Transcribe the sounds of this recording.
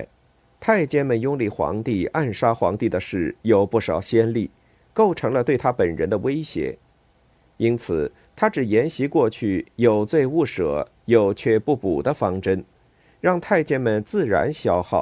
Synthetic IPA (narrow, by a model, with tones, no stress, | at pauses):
t̪ʰa˥˩ɪt͡ɕjɛ˥nmə˨njʊ˥ŋli˧˩xwɑ̰˧˥ŋt̪i˥˧a˥˩nʂa˥xwɑ̰˧˥ŋt̪i˥˩d̪ə˩ʂɻ̩˥˩jo˨˩ʊpu˥˩ʂɑ˨˩ʊɕjɛ˥nli˥˩ | ko˥˩ʊʈ͡ʂʰɤ˧˥ŋlə˧t̪we˥˩ɪt̪ʰa˥pə˨˩nɻə̰˧˥nd̪ə˧we˥ɪɕjɛ̰˧˥ | i˥nt͡sʰɹ̩˨˩ | t̪ʰa˥ʈ͡ʂɻ̩˨˩jɛ˧˥nɕi˧˥kwɔ˥˧t͡ɕʰy˥˩jo˨˩ʊt͡swe˥˧ɪu˥˩ʂɤ̰˨˩˦ | jo˨˩ʊt͡ɕʰɥɛ˥˧pu˥˩pu˨˩d̪ə˦fɑ˥ŋʈ͡ʂə˥n | ɻɑ˥˧ŋt̪ʰa˥˩ɪt͡ɕjɛ˥nmə˨nt͡sɹ̩˥˩ɻa̰˧˥nɕjɑ˥ʊxɑ˥˩˦ʊ